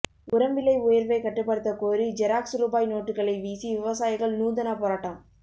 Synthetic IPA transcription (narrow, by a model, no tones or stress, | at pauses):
ʊɾɐmbɪlɐɪʊjɐɾʋɐɪkɐʈːɯpːɐɽɯt̪ːɐkoːɾid͡ʒɛɾaːksɾuːbaːjnoːʈːɯkːɐɭɐɪʋiːsiʋɪʋɐsaːjɪɣɐɭnuːnd̪ɐnɐpoːɾaːʈːɐm